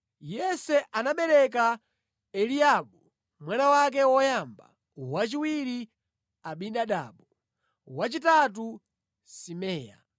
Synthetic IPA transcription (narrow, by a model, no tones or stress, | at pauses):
jɛsɛʔanaɓɛɾɛk̬a | ɛliaɓu | mwanawak̬ɛwɔjaːmba̰ | wat͡ʃiwiɾi | aɓinɗaɗa̰ːɓɔ | wat͡ʃitatu | simɛːja̰